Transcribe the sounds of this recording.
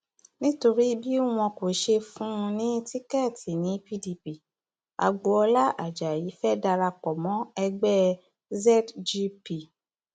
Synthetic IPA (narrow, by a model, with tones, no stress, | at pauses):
nĩ˦to˧ɾi˦bi˦w̃ɔ̃˧ko˨ʃe˧fũ˦˧nĩ˦ti˦kɛ˦˨ti˨nĩ˨˦pi˦di˧pi˨ | a̰˨ɡ͡bo˨˦ɔ˧la˦ʔa˨d͡ʒa˨ji˨˦fɛ˦da˧ɾa˧k͡pɔ˨mɔ̃˨˦ɛ˧ɡ͡bɛ˦ | zɛ˦td͡ʒi˧pi˨